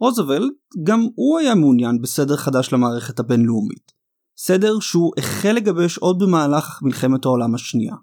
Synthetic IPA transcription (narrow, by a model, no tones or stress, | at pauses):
ʁozevelt̚ɡamuajameunjanbesede̞ʁχadaʃlamaːʁe̞χe̞thabe̞nleumḭt | sede̞ʁʃeuʔeχele̞ɡabeʃo̞d̚bemaːlaχamilχe̞methao̞lamaʃnia̰